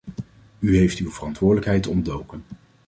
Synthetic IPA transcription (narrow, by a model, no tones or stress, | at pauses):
yɦejftywvərɑntʋʊːɹdələkɦɛjtɔndowkən